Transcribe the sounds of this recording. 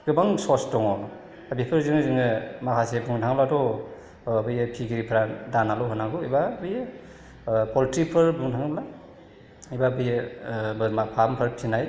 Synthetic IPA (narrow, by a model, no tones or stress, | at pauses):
ɡ̥ɯbaŋsɔsdɔŋɔ | abipʰɯɾzɯŋɯzɯŋɯmakʰasebuŋtʰaŋbladɔː | bɯjɯpʰiɡiɾipʰɾadanalɔɦɯnaɡuibabɯjɯ | pɔltɾipʰɯɾbuŋtʰaŋbla | ibabɯjɯbɯmapʰampʰɯɾpʰinaj